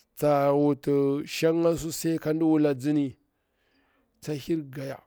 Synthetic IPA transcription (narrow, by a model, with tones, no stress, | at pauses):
t͡sa˨wu˨tə˨ʃa˦ŋa˦s̬u˦sa˦i˦ka˦ndi˦wu˦la˨d͡zi˦ni˨ | t͡sa˦hi˦ɾɡa˨ja̰˨